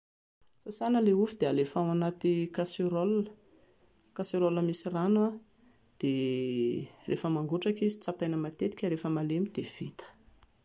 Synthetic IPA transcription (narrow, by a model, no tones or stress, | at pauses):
sasanəleufid̪ealefawanat̪ikasiɾol | kasiɾoləmisiranua | d̪̥e | rʔḛfəmaŋɡuʈ͡ʂakizi̥t͡sapajnəmat̪et̪i̥kʲəɾefəmalemid̪ev̥it̪ə̥